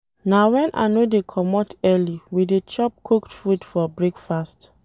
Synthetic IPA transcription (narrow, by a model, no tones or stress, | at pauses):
nawɛ̃nʔa̰nodekʰɔmɔtɛliwidet͡ʃɔp̚kʰoktfudfɔbɹekfast